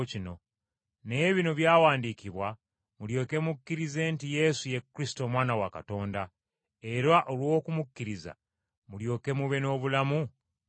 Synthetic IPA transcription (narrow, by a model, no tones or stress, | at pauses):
cino̞ | ne̞βino̞βjaːwaːndiciβwa | muljo̞ːke̞mukːiɾize̞ntije̞suje̞kːɾisi̥to̞ːmwaːnawaka̰to̞ːnda | e̞ɾaʔo̞lwo̞kumukːiɾiza̰ | muljo̞ːkemuβe̞no̞ːβulamu